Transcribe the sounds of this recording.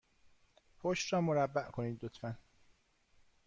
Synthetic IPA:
hʰoʃɾɒːmoɾæbːæʔkʰoniːd̪ːot̪ʰfæn

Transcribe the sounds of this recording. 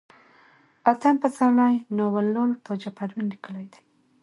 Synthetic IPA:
at̪ampət͡saɾnajnowalːont̪ʰod͡ʒapaɾwinlikəlajd̪aj

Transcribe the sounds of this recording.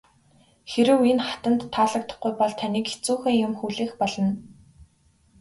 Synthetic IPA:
xeɾɘ̆wenχḁt̪ə̆nt̪ʰːaːɮə̆k̚t̪ə̆χɡujpɔɮt̪ʰaniːke̥t͡suːxeːŋjʊmxuːɮeːxpɔɮɞ̆n

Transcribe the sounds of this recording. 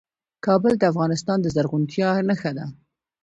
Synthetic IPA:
kɑbəld̪əafɣɑnɪst̪ɑnd̪əzaɾɣʊnt̪jɑnaxad̪a

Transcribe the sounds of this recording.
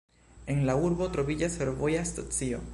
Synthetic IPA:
e̞nlauɾbo̞tɾo̞vid͡ʒasfe̞ɾvo̞jastot͡sio̞

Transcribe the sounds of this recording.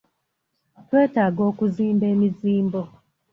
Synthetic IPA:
twetaɡɔkuziːmbemiziːmbɔ

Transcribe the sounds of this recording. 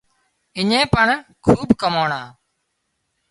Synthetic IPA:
ɪɲẽːpəɳkʰuːbkəmoːɳãː

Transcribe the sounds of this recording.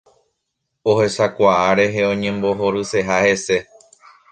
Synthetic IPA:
ohe̞sakʷaʔaɾe̞ɦe̞õ̞ɲẽ̞mbo̞ɦo̞ɾɨse̞ɦahe̞se̞

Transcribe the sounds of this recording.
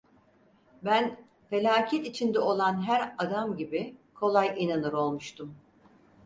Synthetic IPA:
bæn | fe̞lʲaːcʰɛt̪it͡ʃʰind̪ɛo̞lˠanɦæɾad̪amɟibikʰo̞lˠajʔinanɯɾo̞lˠmuʃt̪ʰum

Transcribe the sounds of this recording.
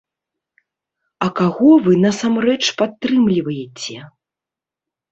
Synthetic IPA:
ɐkaɣɔvɨnɐsamɾɛt͡ʂpat̪ːɾɨmlʲivɐjɛt͡sʲɛ

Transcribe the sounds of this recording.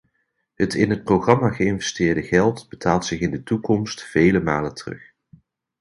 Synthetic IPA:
ɦətɪnɦət̚prowχrɑmaːχəɪnvɛstɪːɹdəɣɛlˠtbətʰaːlˠtsɪχɪndətukɔmstfejləmaːlətərɵ̰χ

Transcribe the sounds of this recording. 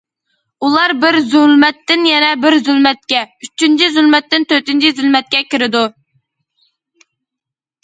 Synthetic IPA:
ulˠɑɾbɪɾzylmɛt̪ːɪnjɛnɛbɪɾzylmɛt̪̚kʲɛyt͡ʃʰːynt͡ʃʰizylmɛt̪ːɪnt̪ʰøt̪ynt͡ʃʰizylmɛt̪̚kʲɛkʲɪɾɪd̪u

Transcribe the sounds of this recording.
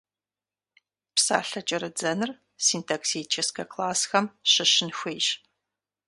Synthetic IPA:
psa̰ːɬɐt͡ʃʼɐɾɨd͡zɐnɨr | siːntʰaːksit͡ʃʰɐskʰɐkʰlaːsxɐmɕɪɕɪnxʷejɕ

